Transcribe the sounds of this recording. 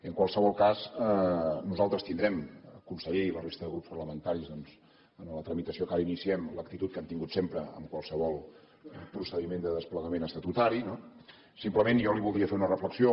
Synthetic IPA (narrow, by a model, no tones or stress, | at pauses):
iəŋkwalˠsəβɔlˠkazənuzalˠt̪ɾəst̪ind̪ɾɛmkunsəʎeilərest̪əðəɣɾupspərləmənt̪aɾizðɔnz̥ | ənələt̪ɾəmit̪əsiokaɾəinisiɛmlək̚t̪it̪ut̪̚kɛmt̪iŋɡut̪sempɾəə̰mkwalˠsəβɔlˠ | pɾusəðimend̪əðəspləɣəmenəst̪ət̪ut̪aɾino | simpləmenjɔliβulˠd̪ɾiəfeɾunərəfləksio